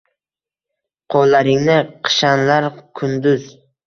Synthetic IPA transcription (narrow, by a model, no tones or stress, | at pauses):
qʰolˠːaɾɪŋnɪqʰɨ̥ʃanlaɾkʰʊnd̪ʊz̥